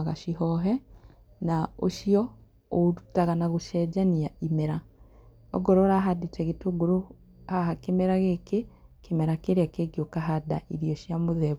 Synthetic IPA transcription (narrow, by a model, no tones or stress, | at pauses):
aɣaʃiɦɔɦɛ | naoʃiɔ | oɾutaɣanaɣoʃɛd͡ʒaniaimɛɾa | ɔ̰ɡɔɾɔɾaɦadetɛɣetoɡoɾo | haɦakemɛɾaɣekekemɛɾakeɾeakeɡjokaɦada̰iɾiɔʃjamoðɛβ